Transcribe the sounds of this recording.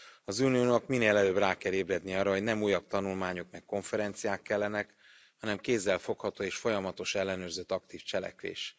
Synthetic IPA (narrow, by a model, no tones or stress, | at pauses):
ɒzuːnioːnokmineːlɛløːbraːkɛleːbrɛd̪niɒːrːɒɦo̞ɟnɛmuːjɒk̚t̪ɒnulmaːɲokmɛkːo̞ɱfɛɾɛnt̪sijaːkːɛlːɛnɛk | hɒnɛmkeːzːɛlfo̞khɒt̪oːeːʃfo̞jɒmɒt̪o̞ʃɛlːɛnøːrzøt̪ːɒkt̪iːft͡ʃɛlɛ̰kʋḛːʃ